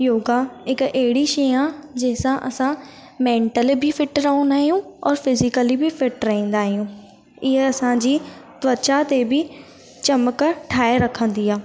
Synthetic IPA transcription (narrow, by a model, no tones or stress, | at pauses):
joːɡaɪkeɦɪɽiʃeːjãd͡ʑeːsãʔɐsã | mẽːɳʈəlbʱifʰɪʈɾɐɦõːnd̪aːɦijũɔːɾfɪzɪkəlibʱifʰɪʈɾɐɦĩːn̆d̪aːɦijũː | ɪɦeɐsãd͡ʑiːt̪ʋət͡ʃat̪ebʱi | t͡ɕɐməkʈʰaːeɾɐkʰə̃nd̪iːaː